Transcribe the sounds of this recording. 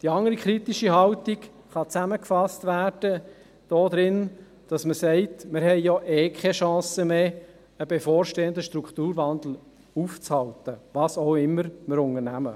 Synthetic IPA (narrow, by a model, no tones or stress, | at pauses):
d̥iɑŋəɾikɾitiʃiɦɑltik | χɑt͡sæməkfɑstvæːrd̥ə | d̥ɔːd̪ɾɪn | d̥ɑsməsɛɪtmɪɾhɛɪjɔʔɛːkχɛʃɑ̃ːsəmeː | əbefoːɾʃteːəndəʃtɾukt̪uːɾvɑnd̪l̩ | uːft͡shɑltəvɑːsoʊɪmːəɾməɾʊŋəɾnæmə